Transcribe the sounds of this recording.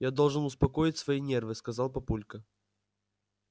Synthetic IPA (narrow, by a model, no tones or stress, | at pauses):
jad̪ɔlˠʐɨnʊspɐkɔjɪt͡sʲsvɐinʲɛrvɨskɐzalˠpɐpulʲkə